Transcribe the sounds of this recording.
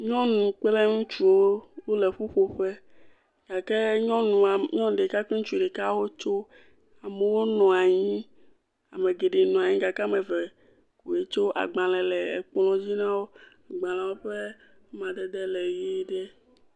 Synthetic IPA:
ɲɔ̃˦nũ˨k͡pe˦le˦ŋũ˦t͡ʃu˦wo˦wo˦le˨ɸu˦ɸo˨ɸe˦ | ɡ̥a˨ke˦ɲɔ̃˦nũ˨a˨ɲɔ̃˦n˨ɖe˨ka˦k͡pe˦ŋũ˦t͡ʃu˦˨ɖe˨ka˦wo˦t͡ʃo˦ | a˨me˨wo˦nɔ̃˨a˨ɲĩ˦ | a̰˨me˨ɡe˨ɖe˨nɔ̃˨a˨ɲĩ˦ɡa˨ke˦me˨ve˨ | ku˨e˨t͡ʃo˦ʔa̰˨ɡ͡bã˨lɛ˨lɛ˨e˨k͡plɔ̃˦d͡ʑi˦nã˦wo˦a˨ɡ͡bã˨lã˨wo˦ɸe˦ | mã˨de˦d̪e˦le˨je˦ɖe˦

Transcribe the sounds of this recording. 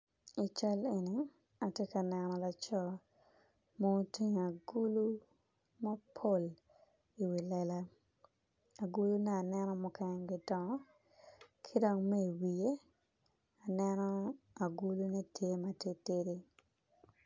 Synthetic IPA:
i˨t͡ʃa˦le˨ni˨ | a˨tje˦ka˨nɛnɔ˨la˨t͡ʃɔ˦ | mo˦ti˦ɲ˨a˨ɡu˦lu˦ | ma˦pʰo˦˨l | i˨wi˨lɛla˦ | a˨ɡu˦lu˦nɛ˦a˨nɛ˦nɔ˦mʊ˨kɛ˦ŋɡɪ˨dɔ˨ŋɔ˦ | kʰi˦dɔ˦ŋme˦i˨wi˨e˦ | a˨nɛ˦nɔ˦ | a˨ɡu˦lu˦ne˦tʰje˦ma˦te˦te˦di˦

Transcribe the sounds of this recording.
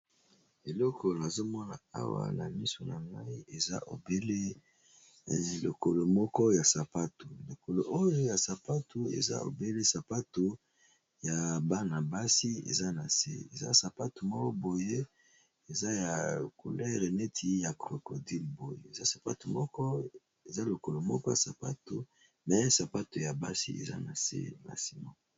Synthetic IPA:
e˨lɔ˦kʰɔ˨na˨zo˦mɔ˦na̰˨a̰˦wa̰˨na̰˨mi˦so˨na˨ŋɡa˦i˦ʔe˨za̰˦ʔo̰˨be˦le˦ | lo˨ko˨lo˨mɔ˦kɔ˦ja˨sa˨pa˦tu˨lo˨ko˨lo˨ʔo˦jo˦ja˨sa˨pa˦tu˨ḛ˨za̰˦o̰˨be˦le˦sa˨pa˦tu˨ | ja˨ba˦na˨ba˦si˦ḛ˨za˦na˨sḛ˦ḛ˨za̰˦sa˨pa˦tu˨mɔ˦kɔ˦bo˨je˦ | e˨za˦ja˨kʰo˨lɛ˦ʁe˨ne˦tʰi˦ja˨kʁo˨ko˨di˦lbo˨jḛ˦e˨za˦sḁ˨pa̰˦tu˨mɔ˦kɔ˦ | e˨za˦lo˨ko˨lo˨mɔ˦kɔ˦ja˨sa˨pa˦tu˨ | mɛ˦sa˨pa˦tu˨ja˨ba̰˦sḭ˦ḛ˨za̰˦na̰˨sḛ˦ma̰˨si˦mɔ˦kɔ˦

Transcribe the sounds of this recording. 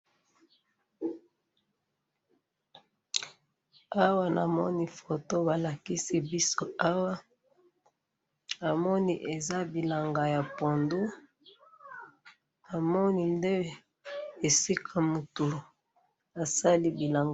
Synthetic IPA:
a˦wa˦na̰˨mɔ̰˦ni˦˨fo˨to˦ba˨la˨ki˦si˦bi˦so˦a˦wa˦ | a˨mɔ˦ni˦ʔe˨za˦bi˨la˨ŋɡa˨ja˨po˨ndu˦ | a˨mɔ˦ni˨nde˦ | e˨si˦kʰa˨mu˨tu˨ | a˨sa˦li˦bi˨la˨ŋɡ

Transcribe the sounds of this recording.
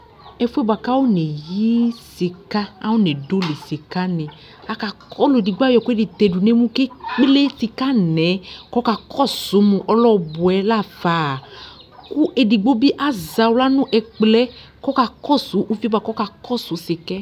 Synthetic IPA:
ɛ˧fu˦ɛ˦bwa˨ka˦wo˦ne˨ji˦si˧ka˦a̰˦wo˦ne˨do˦li˨si˨ka˦nẽ˨ | a˧ka˧kʰɔ˦lu˨e˨di˨ɡ͡ba˦jɔ˨ku˦e˦˨di˨t̪e˧du˨ne˦mũ˦ke˦k͡ple˦ti˧ka˦nɛ̃˨˦kɔ˦ka˧kʰɔ˦˨su˨˦mũ˧ʔɔ˦lɔ˦bʊ˨ɛ˨˦la˦˨fa˨˦˨ | ku˦ʔe˧di˨ɡ͡bo˦bi˦ʔa˦za˨wla˦nũ˦ʔɛ˧k͡plɛ˦ | kɔ˦ka˧kɔ˦˨su˨˦ʔu˦fi˦ba˧˨kɔ˦ka˧kɔ˦˨su˨˦si˧kɛ˦

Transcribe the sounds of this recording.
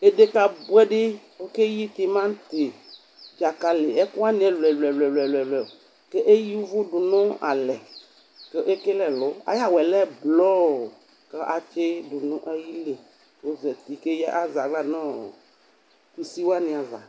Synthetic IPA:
e˦de˦ka˦bwɛ˦ɖe˦ | wo˦ke˦ji˦t̪i˦˨mã˦n˦t̪e˨ | d͡ʒa˨ka˨le˨ɛ˦ku˦a˦nĩ˦ɛ˨lɛ˨lɛ˨lɛ˨lɛ˨lɛ˨lɛ˨o˨ | ke˦ʔe˦ji˦u˦vo˦ɖo˨nɔ̃˦a̰˨lɛ˨ | ke˦ʔe˦ke˦lɛ˨lɔ˦a̰˦ja˦wɛ˨lɛ˦blɔ˦˨ | ke˦ʔa˨t͡ʃe˦ɖu˨nũ˦ʔe˦ji˦le˨ | o˦zɛ˨t̪i˨ke˦jɛ˦ʔa˦za˨ɡla˦nɔ̰̃˦˨ | ku˨si˦wa˦nĩ˨a˨va̰˨

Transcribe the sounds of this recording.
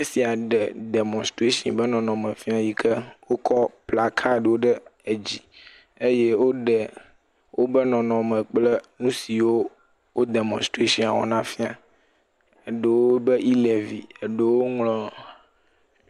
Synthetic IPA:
ɲẽ˦si˨a˨ɖɛ˨dɛ˨mɔ̃˨stɾe˦ʃḭ̃˨bə˦nɔ̃˨nɔ̃˨mə̃˨fĩ˦a˦˨ji˦kʰə˦wo˦kʰɔ˦pla˦kʰa˦˨ɖə˨wo˦ɖə˦e˨d͡ʑi˨ | e˦je˦wo˦ɖɛ˨ | wʔo˦bə˦nɔ̃˨nɔ̃˨mə̃˨k͡plə˦nũ˦si˨wo˦ | wo˦d̪e˨mɔ̃˨st̪ɾe˦ʃĩ˦a̰˨wɔ̰˨nã˦fi˦a˨ | e˨ɖə˨wo˦bə˦ʔi˦le˨vḭ˨e˨ɖə˦wo˦ŋlɔ̃˨

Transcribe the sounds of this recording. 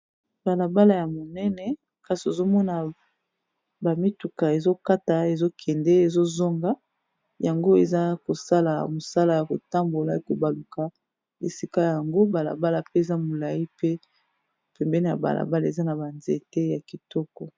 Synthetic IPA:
ba˨la˨ba˦la˨ja˨mo˨nɛ˦nɛ˨ | ka˦si˨e˨zo˦mɔ˦na˨ | ba˨mi˦tu˨ka˨e˨zo˦ka˦ta˨e˨zo˦kʰɛ˨ndɛ˦e˨zo˦zo˦ŋɡa˦ | ja˨ŋɡo˦e˨za˦ko˨sa˦la˨mo˨sa˦la˨ja˨ko˨ta˦mbo˨la˨e˨ko˨ba˨lu˨ka˨ | e˨si˦ka˦˨ja˨ŋɡo˦ba˨la̰˨ba˦la˨pe˦e˨za˦mo˨la˨ji˦pe˦˨ | pɛ˨mbɛ˦ne˦˨ja̰˨ba̰˨lʔa̰˨ba˦la˨e˨za˦na˨ba˨nze˨te˦ja˨ki˨tɔ˦kɔ˨

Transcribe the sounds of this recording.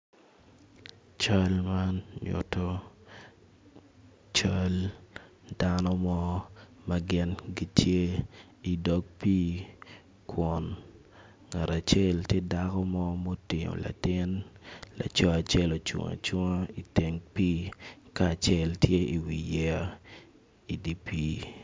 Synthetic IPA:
t͡ʃa˦lma˦nɲʊ̰˨tɔ˦ | t͡ʃa˦l | da˦nɔ˦mɔ˦mɐ˨ɡɪ˦nɡi˦tʰje˦ | i˨dɔ˦k̚piː˦ | kwɔ˨n | ŋa˨ɾa˨t͡ʃɛ˦ltje˦da˦kɔ˦mɔ˦mo˦tɪ˨ɲo̰˨la̰˨tɪ˦nla̰˨t͡ʃɔ˦a˨t͡ʃɛ˦lo˨t͡ʃʊ̰˨ŋa̰˨t͡ʃʊ˦ŋa˦i˨te˨ŋpiː˦kaː˦˨t͡ʃɛ˦˨ltʰje˦i˨wi˨jɛ˦a˦ | i˨di˦pi˦

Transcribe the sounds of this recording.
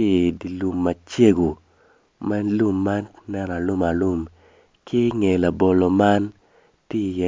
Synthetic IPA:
i˦˨di˨lu˨mːa˨t͡ʃje˦ɡo˨ | mɛ˦lu˦mːa˦nnɛ˦na˨lu˦ma˨lu˦m | kɪ˦ŋe˨la˨bo˨lo˨ma˦n | ti˦˨jɛ˨

